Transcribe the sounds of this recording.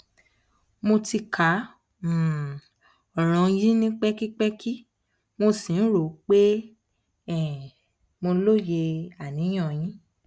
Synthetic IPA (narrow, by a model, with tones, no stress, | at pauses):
mo˧ti˧kʰã˨˦˨ | ɔ˨ɾ̃ɔ̃˨˧ji˦nĩ˦k͡pɛ˦ki˦k͡pɛ˦ki˦ | mo˧sĩ˨n̩˦ɾo˨k͡pe˦ | ɛ˨ | mo˧˦lo˦je˧a˨nĩ˨˦j̃ɔ̃˦˨j̃ĩ˨˦